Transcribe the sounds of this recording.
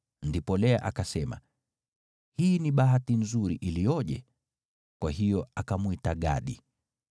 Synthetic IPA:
ndipɔlɛa̰ʔakasɛma̰ | hiːniɓaɦatinzuɾiʔilijɔʄɛ̰ | kwaɦijɔakamwitaɠa̰ɗi

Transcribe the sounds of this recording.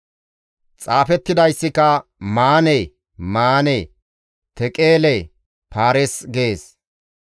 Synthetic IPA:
t͡sʼaːfɛt̪ːɪd̪ɐjsːɪkɐmaːneː | maːneː | t̪ɛkʼeːle | paːɾɛsɡeːs

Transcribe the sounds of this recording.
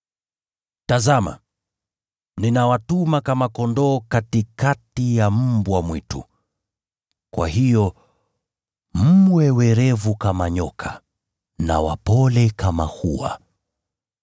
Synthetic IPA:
tazama̰ | ninawatumakamakɔndɔːkatikatijam̩mbwamwitṵ | kwa̰hijɔ | m̩wɛwɛɾɛvukamaɲɔkʰa | na̰wa̰pɔlɛkamahuwa̰

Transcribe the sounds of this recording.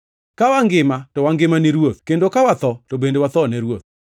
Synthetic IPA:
kawaŋɡɪmatɔwaŋɡɪmaniɾwot̪kendokawat̪ɔtobendewat̪ɔnɛɾwot̪̚

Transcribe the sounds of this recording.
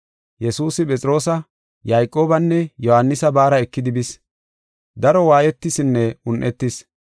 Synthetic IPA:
jɛsuːsɪpʼɛt͡sʼɪɾo̞ːsɐ | jajkʼːo̞ːbɐnːɛjɔhɐnːɪsɐbaːɾɐɛkːɪd̪ɪbɪs | d̪ɐɾɔwaːjɛt̪ːɪsɪnːɛʊnʔɛt̪ːɪs

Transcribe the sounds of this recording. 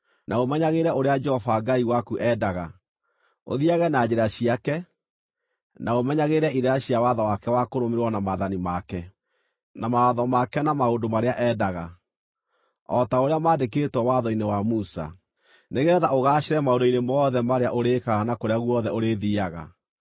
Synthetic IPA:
nʔaomɛɲaɣeɾɛoɾead͡ʒɛhɔfaɡaiwakuʔɛdaɣa | o̰ðiaɣɛnad͡ʑeɾaɕiakɛ | naomɛɲaɣeɾɛiɾeaɕiawaðɔwakɛwakoɾomeɾwɔnamaðanimakɛ | namaaðɔmakɛnamaoːndomaɾeaʔɛdaɣa | ɔtaoɾeamaːdeketwɔwaðɔinewamusa̰ | neɣɛðaoɣaːʃeɾɛmaodoinemɔðɛmaɾeaʔoɾekaɣanakoɾeaɣwɔðɛoɾeðiaɣa̰

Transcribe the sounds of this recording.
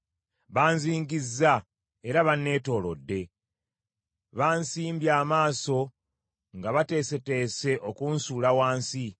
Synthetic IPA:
βaːnziːŋɡizːa | e̞ɾaβanːe̞ːto̞ːlo̞̰dːe̞ | βaːnsiːmbjaːmaːso̞ | ŋɡaβate̞ːse̞te̞ːse̞ʔo̞kuːnsuːlawaːnsi

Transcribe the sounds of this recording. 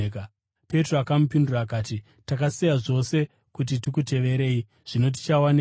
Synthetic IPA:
k | pe̞troakamup̬indurakaːti | takasijaʐo̞se̞ | kut̬itikute̞ʋe̞ɾe̞ːi | ʐ̥ino̞t̬i̥t͡ʃawan

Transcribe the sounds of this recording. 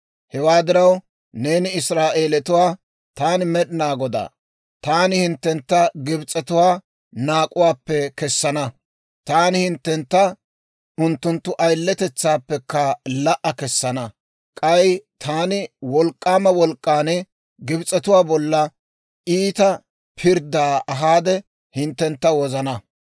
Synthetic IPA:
hɛwaːd̪ɪɾɐw | neːnɪɪsɾaːʔeːlɛt̪ʊwaː | t̪aːnɪmɛɗɪnaːɡɔd̪a̰ː | t̪aːnɪhɪnt̪ːɛnt̪ːɐɡɪbɪt͡sʼɛt̪ʊwaː | naːkʼʊwaːpːɛkɛsːɐnɐ | t̪aːnɪhɪnt̪ːɛnt̪ːɐ | ʊnt̪ːʊnt̪ːʊʔɐjlːɛt̪ɛt͡sːaːpːɛkːɐlɐʔɐkɛsːɐnɐ | kʼɐjt̪ʰaːnɪwɔlkʼːaːmɐwɔlkʼːaːnɪ | ɡɪbt͡sʼːɛt̪ʊwaːbɔlːɐ | ʔiːt̪ɐ | pʰɪɾd̪aːʔɐɦaːd̪ɛ | hɪnt̪ːɛnt̪ːɐwɔzɐnɐ

